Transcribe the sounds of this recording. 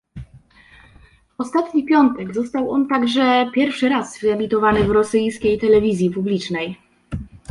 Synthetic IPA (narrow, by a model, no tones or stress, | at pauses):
ɔst̪at̪ɲipʲjɔnt̪ɛɡzɔst̪awɔnt̪aɡʐɛpʲjɛɾfʂɘɾazvɛmʲit̪ɔvanɘvɾɔsɘjskʲejt̪ɛlɛvʲizʲjipublʲit͡ʂnɛj